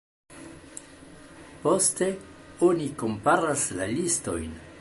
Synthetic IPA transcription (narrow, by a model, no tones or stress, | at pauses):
po̞ste̞oniko̞mpaɾaslalisto̞̰jn